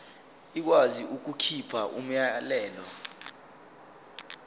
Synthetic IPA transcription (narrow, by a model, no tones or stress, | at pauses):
ik̬waziʔuk̬ukʰipʰaʔum̩jalɛːlɔ